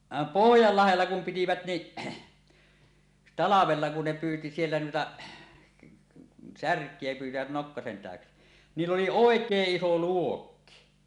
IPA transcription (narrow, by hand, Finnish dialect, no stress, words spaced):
ʋɑˑem pohjɑlːɑhelːɑ kum pitiʋæt ni tɑlɑʋelːɑ kun ne pyːti sielːæ nuitɑ særkˑie pyːtiʋæt nokːɑsen tæˑøksi niːlː oli oˑekˑeːʔ ʔiso luokːi